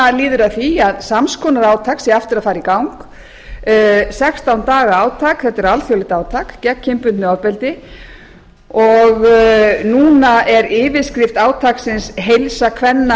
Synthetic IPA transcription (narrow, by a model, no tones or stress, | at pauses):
aliːðʏɾaθiaðsamskʰɔnaɾaːwt̪ʰaksɛaft̪ɪɾaðfaːɾikawŋkː | sɛkst̪awnt̪aːɣaaːwt̪ʰakθɛt̪ːɪɾalθjowlɪht̪aːwt̪ʰakcɛcʰːɪmpʏnt̪nʏɔvpɛlt̪ɪ | ɔɣnuːnaʔɛɾɪːvɪskɾɪft̪aːwt̪ʰaksɪnsɦejlsakʰvɛnːa